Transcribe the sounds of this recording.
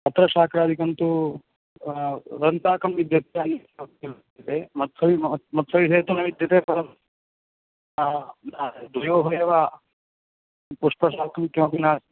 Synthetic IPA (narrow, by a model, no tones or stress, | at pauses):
ɐt̪ɾɐʃaːkʰɾaːd̪ʱikɐnt̪u | ɾɐnt̪aːkɐmʋid̪ʱjɐt̪aːni | ɐt̪ild̪ɐt̪eːmɐt̪sɐʋimɐt̪sɐʋiseːt̪ɐnɐʋid̪ʱjɐt̪eːpɐɾɐm | nad̪ʋɐjoːbʱɐjɐʋaː | puʂpɐʃaːkɐmukʰːjɐmɐpinaː